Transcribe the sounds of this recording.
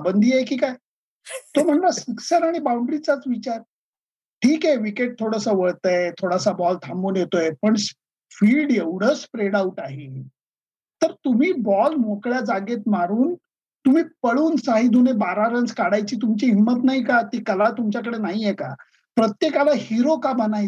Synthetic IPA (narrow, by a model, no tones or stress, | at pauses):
bənd̪ʱijekiːkaj | t̪om̤əɳlaɕiksəɾaɽ̃ibawɳɖɾit͡sat͡sʋit͡ɕaɾ | ʈʰiːkeʋikeʈ̚t̪ʰoɽəsaʋəɭt̪əet̪ʰoɽasabɔlt̪ʰamonjet̪ojepəɳs | fiːlɖjeʋɽ̤əspɾeɽauʈaɦe | t̪əɾt̪um̤iːbɔlm̤okɭjad͡zaɡet̪maɾuːn | t̪um̤iːpəɽuːnsaɦid̪ʱunebaɾaɾənd͡zkaɽajt͡ɕiːt̪̬umt͡ɕiːɦimːət̪naɦikat̪iːkəlat̪umt͡ɕjak̬əɽenaɦijɛka̰ | pɾət̪jekalahiɾokabənaj